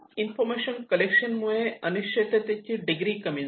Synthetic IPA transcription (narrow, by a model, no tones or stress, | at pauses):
infoɾmeʃɐnkɐlekʃɐnmueɐniʃɐt̪ɐt̪et͡ɕiɖiɡɾiːkɐmi